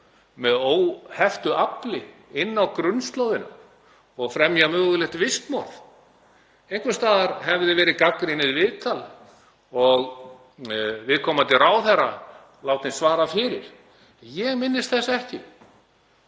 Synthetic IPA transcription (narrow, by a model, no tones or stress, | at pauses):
mɛðoːwhɛft̪ʏʔaplɪɪnːawkɾʏnst̪lowðɪna̰ | ɔɣfɾɛmjamœːɣʏlɛxt̪vɪst̪mɔɾθ | ejŋkʰʏst̪aːðaɾhɛvðɪvɛːɾɪkakɾɪnɪðvɪðt̪ʰala | ɔɣ | vɪðkʰɔːmant̪ɪraːwθɛrːa | laːwt̪nɪsvaːɾafɪɾɪɾ̥ | jɛɣmɪnːɪst̪θɛsːaɛhcɪ